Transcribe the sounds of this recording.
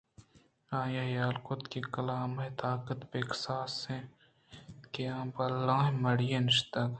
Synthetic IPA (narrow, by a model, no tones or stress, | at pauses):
ãːjaɦjaːlkot̪kikɐlaːmɐt̪aːkət̪peksaːsẽ | keãːbɐlːãːɦmɐɽjẽnɪʃt̪ɐɡ